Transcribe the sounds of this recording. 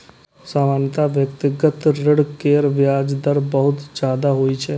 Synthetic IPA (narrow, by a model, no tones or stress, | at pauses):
saːmaːnjət̪aʋjəkt̪ɪɡət̪ɾɪɽkeːɾʋjaːd͡ʒd̪əɾbəɦʊt̪d͡ʒaːd̪aɦoit͡ʃʰɛː